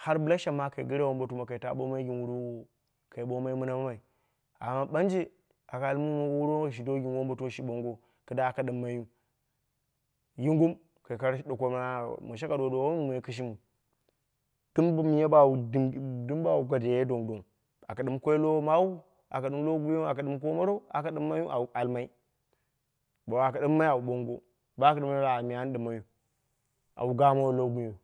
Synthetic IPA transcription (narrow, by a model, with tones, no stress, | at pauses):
ha˦ɾbɨ˨la˦ʃa˨ma˦ka̰˨ɡi˦ɾe˦wo˦mbo˨tu˦ma˨ka˨i˨ta̰˨˦ɓo̰˦ma˦i˦ɡʲi˨nwu˨˦ɾi˦w | ka˨i˨ɓo˦ma˦i˦mu˦na˦ma˦ma˨i˨ | a̰˨ma˦ba˦nd͡ʒi˦ | a˨ka˨lmu˦mo˨˦wo˦wu˦ɾo˦˨ʃ̬i˨do˦ɡʲi˨nwo˦mbo˨tu˦ʃi˨ɓo˨ŋɡo˦ | kɨ˨da˦˨ka˨ɗɨ˨mːa˨ju˦ | ji˦ŋɡu˦m | ka˨ka˦ɾɗo˨ko˦m˦a˦mu˨ʃ̬a˦ka˨do˨do˨wo˦u˨ma˨i˦ki˦ʃ̬i˦mu˨ | d̥i˦mbm˨je˦ba˦wu˨˦dɨ˦m˦ba˦˨wu˨ɡʷa˨de˨je˦do˨ŋdo˨ŋ | a˨ka˨ɗɨ˦mkʷo˦i˦lo˦ma˦wu˦ | a̰˨ka˨ɗɨ˦mlo˦ɡu˦je˦a˨ka˨ɗɨ˦mk̬o˦mo˦ɾo˦a˨ka˨ɗɨ˦mːa˦ju˦ʔa˨wu˨a˨lma˦i˦ | ba˨wa˨ka˨ɗɨ˦mːa˦a˨u˨ɓo˦ŋɡo̰˦ | ba˦ka˨ɗɨ˦mːa˦u˦a˨mi˨a˦n˦ɗɨ˨mːa˨˦ju˦ | a̰˨wu˨ɡa˦ma˦wo˨lo˦ɡu˦jo˨